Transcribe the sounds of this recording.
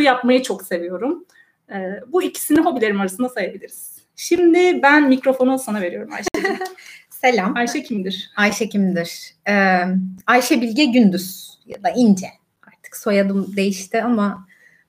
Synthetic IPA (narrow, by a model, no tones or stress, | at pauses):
ujapmajɯt͡ʃʰo̞kse̞vijo̞ɾum | ɛːbuicʰi̥siniɦo̞bilʲe̞ɾimaɾasɯnd̪asajabilʲiɾiz̥ | ʃimd̪ɪbænmicɾo̞fo̞nolˠsanave̞ɾijo̞ɾuma̰jʃ | se̞lʲamajʃɛcʰimd̪iɾ̥ajʃɛcʰimd̪iɾ̥ɛajʃɛbilʲɟɛɟynd̪yz̥ja̰d̪aind͡ʒɛ | aɾt̪ʰɯ̥kso̞jad̪ɯmd̪e̞jiʃt̪ʰɪama